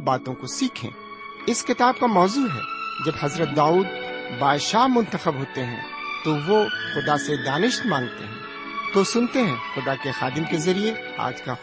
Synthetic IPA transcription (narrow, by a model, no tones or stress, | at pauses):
baːt̪õkosiːkʰḛ̃ː | ɪskɪt̪aːb̚kamɔːzuːɦɛ̰d͡ʒɐbhɐzɾət̪̚d̪aːuːd̪̚baːd̪ʃaːɦmʊ̃nt̪əxəbɦoːt̪eɦɛ̰̃ | t̪oʋoxʊd̪ased̪aːnɪʃt̪mãːnt̪ḛɦɛ̰̃ː | t̪osʊnt̪eɦɛ̃xʊd̪akexaːd̪ɪmkezɐɾie | a̰ːd͡ʒka